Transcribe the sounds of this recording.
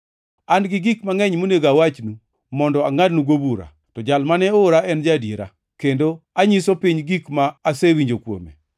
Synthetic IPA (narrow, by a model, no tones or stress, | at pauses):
anɡɪɡikmaŋɛɲmoneɡawat͡ʃnu | mɔndɔaŋadnuɡobuɾa̰ | tɔd͡ʒalmanɛʊɾaɛnd͡ʒadjeɾa̰ | kendoaɲisopiɲɡikmaːsewiɲd͡ʒokwo̰mḛ